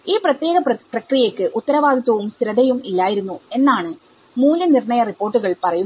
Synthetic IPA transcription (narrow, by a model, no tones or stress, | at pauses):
iːprɐt̪ːje̞ːɣɐpprɐkrijekːɨʔut̪ːɐɾɐʋaːɡ̪it̪ːɐʋumsɾɐd̪ɐjumilːaːjiɾunːue̞nːaːɳɨ | muːlːɐnirɳɐjɐripːo̞ːrʈːuɣɐɭpɐrɐju